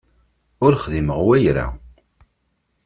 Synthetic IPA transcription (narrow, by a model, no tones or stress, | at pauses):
ʊɾχðiməʁwæjɾa̰